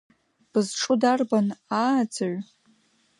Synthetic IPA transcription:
b̥ɨzʈ͡ʂʰʼʊdarbanad͡zʰaɥʷ

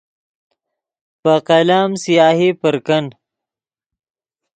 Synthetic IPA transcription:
pəqɐlaːmsijaːhipəɾkɐn

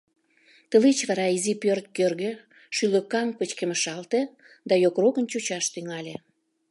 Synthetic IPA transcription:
t̪əlet͡ɕβɑɾɑizipørt̪̚kørɣĕ | ʃyløkɑŋpət͡ɕkeməʃɑlt̪e | d̪ɑjokrokənt͡ɕut͡ɕɑʃt̪yŋɑlʲe

